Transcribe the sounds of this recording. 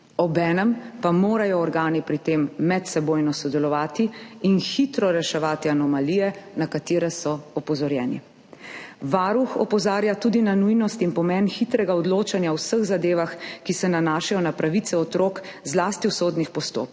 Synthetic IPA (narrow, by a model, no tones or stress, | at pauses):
ɔbɛːnɛmpamoːɾajɔːɾɡaːnipɾit̪eːmːɛt̪sɛboːjnɔsɔd̪ɛlɔʋaːt̪iːnxit̪ɾɔɾɛʃɛʋaːt̪ianɔmaliːjɛnakat̪iːɾɛsɔɔpɔzɔɾjɛːnḭ | ʋaːɾuxɔ̰pɔzaːɾjat̪uːd̪inanujnɔst̪inpɔmɛnxit̪ɾɛɡaɔd̪loːt͡ʃanjaɔwsəɣzad̪eːʋaxkisɛnanaːʃajɔnapɾaʋit̪sɛɔt̪ɾoːk | zlaːst̪iwsoːd̪nixpɔst̪o̰ːp̚k